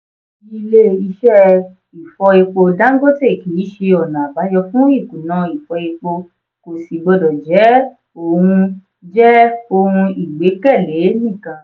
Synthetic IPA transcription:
i˧le˦i˧ʃɛ˦ | i˨fɔ˧i˧k͡po˧da˦ŋ̩˦ɡo˦te˦˨ki˨˦i˦ʃe˧ɔ˨nã˨ba˨˦jɔ˧fũ˦i˦˨kũ˨nã˨˧i˨fɔ˧i˧k͡po˧ | ko˨si˨ɡ͡bɔ˧dɔ˨d͡ʒɛ˨˦ | o˨wũ˧ | d͡ʒɛ˦o˧wũ˧i˨ɡ͡be˨˦kɛ˦˨le˨˦nĩ˦˨kã˨

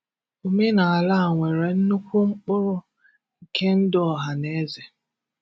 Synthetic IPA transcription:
o˨me˦na˨a˨la˦a˨ŋʷe˨ɾe˨n̩˦nu˦kʷu˦ŋ͡m̩˦k͡pʊ˦ɾʊ˦ | ŋ̩˨ke˦n̩˦dɔ˦˨ɦa˨ne˨˦ze˨

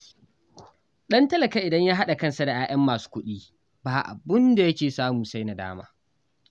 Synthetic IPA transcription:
ɗɐ˦ntɐ˦lɐ˨ka˦ʔɪ˨dɐ˦ɲjaː˦ɦa˦ɗa˨kɐ˦nsa˨da˨ʔaː˦ʔɐ˦mːaː˨su̥ː˦kʷʊ˦ɗiː˦ | baː˨ʔa̰˨bʊ˦nda˨jɐ˦kʲeː˨saː˦mʊ˨sa˦jna˨da̰ː˦ma̰ː˦

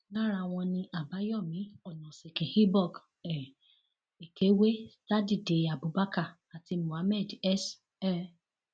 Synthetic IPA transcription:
nã˦ɾa˧w̃ɔ̃˧nĩ˧ʔa˨ba˨˦jɔ˦˨mĩ˨˦ɔ˨nɔ̃˨se˨kĩ˨hi˦bɔ˦˨k | ɛ˨ | e˨ke˨˦we˦sta˦di˨de˨a˨bu˨˦ba˦ka˦˨ | a˨ti˧mũ˨a˨˦mɛ˦˨dɛ˦˨s | ɛ˦

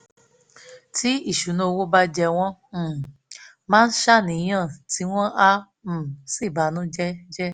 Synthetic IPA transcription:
ti˦i˦˨ʃu˨˦nũ˧o˧wo˦ba˧d͡ʒɛ˧w̃ɔ̃˦˨ | mãː˦n̩˦ʃa˦˨nĩ˨˦j̃ã˦˨ti˨˦w̃ɔ̃˦ʔã˦˨ | si˦˨ba˨˦nũ˦d͡ʒɛ˦d͡ʒɛ˦

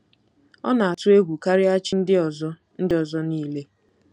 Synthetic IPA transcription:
ɔ̰˦na˨a˨tʊ˦e˦ɡʷu˨ka˦ɾɪ˦a˦t͡ʃi˦n̩˦dɪ˦ɔ˨zɔ˦ | n̩˦dɪ˦ɔ˨zɔ˦niː˦le˦

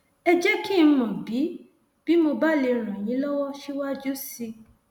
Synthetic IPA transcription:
ɛ˧d͡ʒɛ˦kĩ˦˧˦mɔ̃˨bi˨˦ | b̥i˦mo˧ba˦le˧ɾ̃ã˨j̃ĩ˨˦lɔ˦wɔ˦ʃi˦wa˦d͡ʒu˦si˧

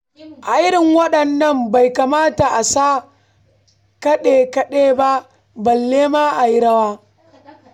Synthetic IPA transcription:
ʔa˨ʔɪ˦ɾɪ˨ŋwɐ˦ɗɐ˨nːɐ˦mba˨jka˨maː˦ta˨ʔa˨saː˦ | kɐ˦ɗeː˨kɐ˦ɗeː˦ba˦ʔ | bɐ˨lːeː˦ma˦ʔa˨ji˦ɽɐ˦waː˦

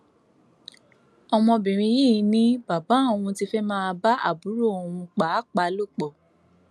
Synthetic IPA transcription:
ɔ˧mɔ̃˧bĩ˨ɾ̃ĩ˧ji˦˨˦nĩ˦ba˨ba˨˦o˨w̃ũ˧ti˧˦fɛ˦mãː˦˧ba˦a̰˦˨bu˨˦ɾo˦˨o˨wũ˧k͡pa˨˦k͡pa˧˦lo˦˨k͡pɔ˨

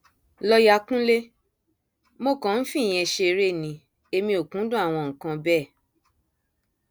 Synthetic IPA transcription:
lɔ˧ja˧kũ˦le˦ | mo˦˨kã˨n̩˦fĩ˦˨j̃ɛ̃˧ʃe˧ɾe˦˨nĩ˧ | e˧mĩ˧o˨kũ˨˦dũ˦a˦˨w̃ɔ̃˧˨ŋ̩̃˨kã˧bɛ˦˨

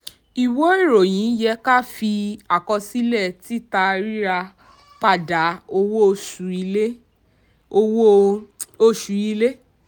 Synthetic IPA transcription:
i˨wo˨˦i˦˨ɾo˨j̃ĩ˨˦jɛ˧˦ka˦˨fi˧a˨kɔ˧si˦lɛ˦˨ti˦ta˧ɾi˦ɾa˧ | pa˦˨da˨˦o˧wo˦˧˨ʃu˨i˧e˦ | o˧wo˦o˧ʃu˨i˧le˦

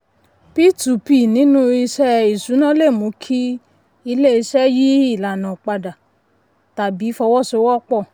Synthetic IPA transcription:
pi˦tu˨˦pi˦˨nĩ˨˦nũ˦i˧ʃɛ˦i˦˨su˨˦nã˦le˦˨mũ˨˦kʰi˦ | i˧le˦i˧ʃɛ˦ji˦i˦˨la˨nã˨k͡pa˧da˨ | ta˨bi˨˦fɔ˧wɔ˦˨so˧˦wɔ˦k͡pɔ˦˨

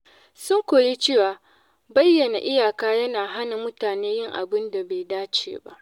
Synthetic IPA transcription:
sʊ˦ŋkʷo˨ɽi˦t͡ʃeː˦˨waː˨ | bɐ˦jːɐ˨na˨ʔɪ˦jaː˨kaː˦jɐ˦naː˨ɦa˦na˨mʊ˦taː˨neː˦jɪ˦ŋʔa̰˨bɪ˦nda˨beː˨jdaː˦t͡ʃḛː˨ba̰˦ʔ

